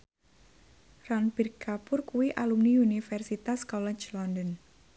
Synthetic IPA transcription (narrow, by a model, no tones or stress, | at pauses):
ranpirkapʊrkuwiʔalumniunifɛrsit̪askɔlɛ̥t͡ʃlɔndən